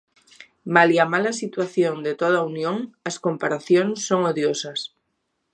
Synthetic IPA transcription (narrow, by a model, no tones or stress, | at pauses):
maliamalasit̪waθjond̪et̪oð̞aunjõŋaskompaɾaθjonsːoŋoðjosas